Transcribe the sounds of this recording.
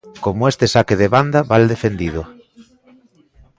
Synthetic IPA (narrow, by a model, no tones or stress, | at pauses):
komʊest̪esakeðeβand̪aβald̪efend̪ið̞ʊ